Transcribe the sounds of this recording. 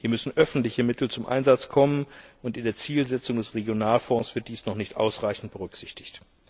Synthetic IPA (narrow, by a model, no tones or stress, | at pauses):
hiːɐmʏsn̩ʔœfn̩tlɪçəmɪtʰl̩t͡sʊmʔa̰ɪnzat͡skʰɔmənʔʊntɪndeːɐt͡siːlzɛt͡sʊŋdɛsʁeɡjonaːlfɔ̃ːsv̥ɪɐt̚d̥iːsnɔχnɪçtʔa̰ʊsʁaɪçn̩t̚b̥əʁʏkz̥ɪçtɪ̥çt